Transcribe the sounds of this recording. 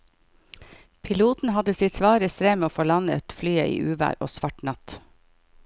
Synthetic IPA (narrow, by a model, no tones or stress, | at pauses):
pʰɪluːt̪n̩hɑd̪əsɪt̪sʋɑːɾəst̪ɾeːmeːoːfoːɭɑnət̪flyːəʔḭːʔʉːʋæ̰ːɾo̰ːsʋɑʈnɑt̪